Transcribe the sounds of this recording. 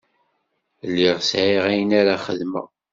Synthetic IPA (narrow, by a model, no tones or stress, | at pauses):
lːiʁsʕiʁæjənaɾaχə̰ðmə̰